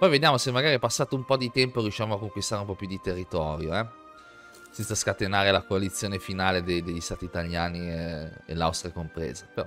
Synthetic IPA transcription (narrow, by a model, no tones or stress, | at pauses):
pɔjved̪jaːmosemːaɡaːɾipasːaːt̪oumpɔd̪it̪ɛmpoɾjuʃːamoakːoŋkwist̪aːɾeumpɔpjud̪it̪erːit̪ɔːɾjoɛ | sɛnt̪saskat̪enaːɾelakoalit̪sːjoːnefinaːled̪ejd̪eʎːist̪aːt̪iːt̪aljaːniḛla̰wst̪ɾjakompɾḛːzepeɾɔ